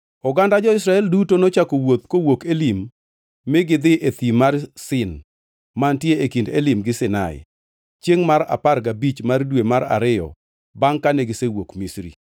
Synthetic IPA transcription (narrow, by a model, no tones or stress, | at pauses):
ɔɡandad͡ʒɔɪsɾaɛldutonot͡ʃakowot̪̚kowokelimː | eɡɪd̪ɪʔet̪imarsɪn | mantjeekindelimɡɪsɪnaɪ̰ | t͡ʃjeŋmaɾa̰parɡabit͡ʃmardwemaɾa̰ɾɪjɔ̰ | baŋkaneɡɪsewokmisɾḭ